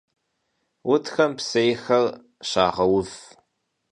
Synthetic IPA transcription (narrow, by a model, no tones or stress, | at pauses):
wʊtʰxɐmpsejxɐr | ɕa̰ːʁɐwʊv